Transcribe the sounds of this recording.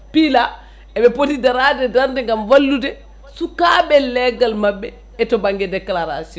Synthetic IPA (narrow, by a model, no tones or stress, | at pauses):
pila | ɛbɛpotidaɾadɛdaɾdɛŋɡamwalːudɛ | sukabɛlːɛɡalmabːɛ | ɛtɔbaŋɡɛdɛklaɾa̰siɔn